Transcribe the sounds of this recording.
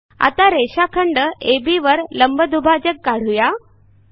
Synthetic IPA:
a̰t̪aɾeɕakʰəɳɖəebiʋəɾləmbəd̪ubʱad͡ʑəkːaɽ̤uja

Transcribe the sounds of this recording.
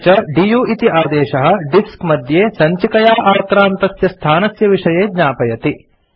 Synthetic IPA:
t͡ʃɐɖijuːʔit̪iʔaːd̪ɛːʃɐɦɐ̆ɖiskmɐd̪ʱjeːsɐɲt͡ʃikɐjaːʔaːɾkɾaːnt̪ɐsjɐst̪ʰaːnɐsjɐʋiʂɐjeːdɲaːpɐjɐt̪i

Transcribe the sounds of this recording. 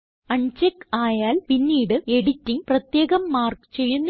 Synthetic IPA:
ɐɳd͡ʑekːaːjaːlpinːiːɽɨe̞ɽitːiŋprɐt̪je̞ːɣɐmːaːrkɨ̥t͡ɕe̞jːunː

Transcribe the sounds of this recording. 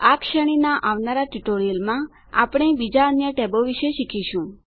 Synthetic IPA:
akʃəɽ̃inaʔaʋnaɾaʈiʈoɾiəlmã | a̰pɽ̃ebid͡ʒaənjəʈɛboʋiʃeʃikʰiʃũ

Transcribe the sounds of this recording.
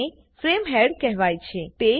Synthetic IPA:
e | fɾemɦɛɽkɛɦʋajt͡ʃʰet̪e

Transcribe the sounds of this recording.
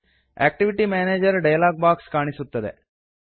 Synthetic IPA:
ḛːk̚ʈiʋiʈimaːneːd͡ʒɐɾɖɐjɐlaːɡ̚baːkskaːɳisut̪ːɐd̪ḛ

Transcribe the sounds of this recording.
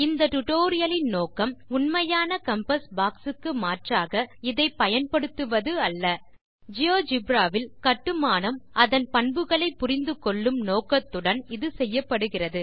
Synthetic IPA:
ɪnd̪ɐʈʊʈoːɾɪjɐlɪnnoːkɐmʊnmɐjaːnɐkɐmpɐsbaːksɯkːɯmaːʈraːɣɐɪðɐɪpːɐjɐnpɐɽɯt̪ːɯʋɐðɯɐlːɐ | d͡ʒɪjoːd͡ʒɪbɾaːʋɪlkɐʈːɯmaːnɐmɐðɐnpɐɳbɯɣɐɭɐɪpːʊrɪnd̪ɯkɔɭːɯmnoːkɐt̪ːɯɽɐnɪðɯsɛjːɐpːɐɽɯɣɪrɐðɯ

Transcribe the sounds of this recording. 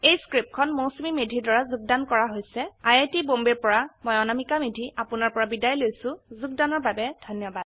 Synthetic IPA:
ejskɹip̚kʰɔnmowsmimedʱiɹdaɹazuɡ̚dankɔɹaɦojsɛajajtibombiɹpɔɹamɔjɔnamikamedʱiapʊnaɹpɔɹabidajlojsʊ̃zuɡ̚danɔɹbabɛdʱɔnjɔbad̥

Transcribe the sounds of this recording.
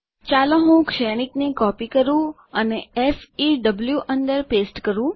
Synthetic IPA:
t͡ʃalõɦũkʃɛɽ̃iknekɔpikəɾũ | əneɛfiɖəbljuʔənd̪əɾpesʈkəɾũ

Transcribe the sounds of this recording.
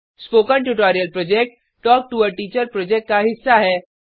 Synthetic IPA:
spoːkənʈuʈ̬ɔːɾijəlpɾɔd͡ʒek̚ʈ̚ː | ɔːk̚ʈuəɾʈiːt͡ʃəɾpɾɔːd͡ʒɛk̚ʈ̚kaɦɪsːaɦɛː

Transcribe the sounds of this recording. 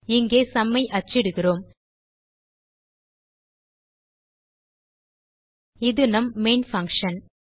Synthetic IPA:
ɪŋɡeːsɐmːɐɪʔɐt͡ʃːɪɽɯɣɪroːm | ɪðɯnɐmːeːnfɐŋkʂɐn

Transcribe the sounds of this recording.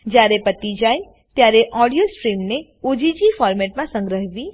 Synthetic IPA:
d͡ʒjaɾepət̪id͡ʒaj | t̪jaɾeʔɔɽijosʈɾimne | od͡ʒid͡ʒifɔɾmɛʈ̚mãsə̃ŋɡɾəɦʋi

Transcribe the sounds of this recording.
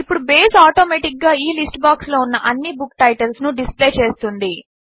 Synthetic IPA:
ipːuɽubeːsaːʈoːmeːʈik̚ɡaːiːlisʈbaːkslo̞ːunːɐʔɐnːibukːʈɐjʈɐlsnuɖisple̞ːt͡ʃe̞ːst̪und̪i

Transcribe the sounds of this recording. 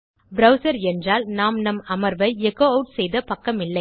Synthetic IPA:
bɾɐʊsɐɾɛndraːlnaːmnɐmɐmɐɾʋɐɪɛkoːɐʊʈsɛjðɐpɐkːɐmɪlːɐɪ

